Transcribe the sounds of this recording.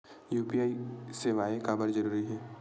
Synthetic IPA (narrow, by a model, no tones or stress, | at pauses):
juːpiaːiseːʋaːekabəɾd͡ʒɐɾuːɾiɦɛː